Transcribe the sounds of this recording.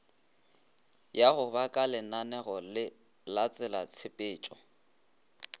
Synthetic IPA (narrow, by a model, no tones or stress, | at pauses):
jaɣʊbakʼalɛnanɛɣɔlɪ | lat͡sʼɛlat͡sʰɪpʼɪːt͡ʃʼɔ